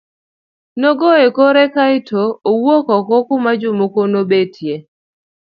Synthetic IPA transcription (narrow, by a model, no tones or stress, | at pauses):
nɔɡɔekoɾɛkaɪtʰoːwokɔkɔkʊmad͡ʒʊmokonobetʰje